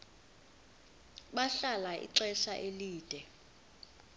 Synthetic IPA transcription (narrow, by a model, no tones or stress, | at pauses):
ɓaɬalaʔḭǀɛʃaʔeliːd̥ʱɛ